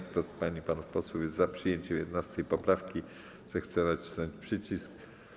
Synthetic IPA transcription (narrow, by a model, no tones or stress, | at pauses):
kt̪ɔt̪spaɲipanufpɔswujɛzzapʂɘjeɲt͡ɕɛmjɛd̪nast̪ɛjpɔpɾafkʲi | z̥ɛxt̪sɛnat͡ɕi̥snɔɲt͡ɕpʂɘt͡ɕisk